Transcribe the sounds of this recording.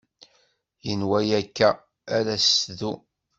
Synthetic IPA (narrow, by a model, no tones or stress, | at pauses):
jənwæjækːæː | ɾæsðu